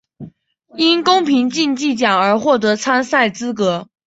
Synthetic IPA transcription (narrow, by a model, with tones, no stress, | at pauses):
i˥nkʊ˥ŋpʰi˧˥ŋnt͡ɕi˥˧nt͡ɕi˥˩t͡ɕjɑ˨˩ŋə˞˧˥xwɔ˥˩t̪̬ɤ˧˥t͡sʰa˥nsa˥˩ɪt͡sɹ̩˥kɤ˧˥